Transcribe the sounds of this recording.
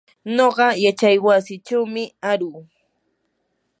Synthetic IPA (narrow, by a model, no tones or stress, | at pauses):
ɲoɢɑjat͡ʃajwasɪt͡ʃawmɪaɾuː